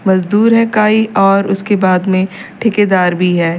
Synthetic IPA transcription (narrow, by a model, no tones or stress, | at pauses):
mɐzd̪uːɾɦɛkaːiʔɔːɾʊskebaːd̪mẽʈʰɪked̪aːɾbʱiɦɛː